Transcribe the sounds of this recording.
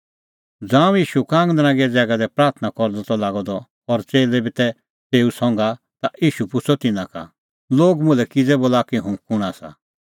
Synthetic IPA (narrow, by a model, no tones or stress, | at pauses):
d͡zãːũjiːʃukãːŋɡd̪ɐnãɡiɛd͡zɛːɡad̪ɛpɾaːɾt̪ʰnakɔɾd̪ɔt̪ɔlaːɡɔd̪ɔ | ɔɾt͡seːlɛbit̪ɛ | t̪eːusɔ̃ŋɡa | t̪aʔiːʃupʊt͡sʰɔt̪ɪnãka̰ | loːɡmʊ̃lɛkɪd͡zɛboːlakiɦʊ̃kʊɽ̃asa̰